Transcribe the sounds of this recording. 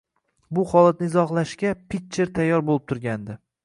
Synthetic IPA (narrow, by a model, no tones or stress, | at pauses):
bʊχɒlˠat̪̚nɪɪzɒχlˠaʃkʲapit̪t͡ʃːeɾt̪ʰajːɒɾbolɪp̚t̪ʰʊɾɡʲand̪ɪ